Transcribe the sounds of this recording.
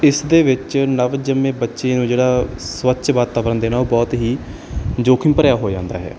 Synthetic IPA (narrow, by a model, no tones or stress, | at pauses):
ɪsd̪eːʋɪt͡ʃnəʋd͡ʒəmːẽːbətːʃeːnũːd͡ʒeːɽaːsʋətːʃʋaːt̪aːʋəɾənd̪eːnaːoːbɔːt̪ɦiː | d͡ʒoːkʰɪmpəɾjaːɦoːd͡ʒãːnd̪a̰ːɦɛ̰ː